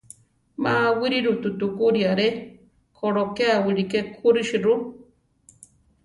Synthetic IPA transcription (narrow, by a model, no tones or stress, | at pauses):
mawiɾiɾut̪ut̪ukuɾiaɾe | kʰoɽokeawiɾikekʰuɾiʃiɾu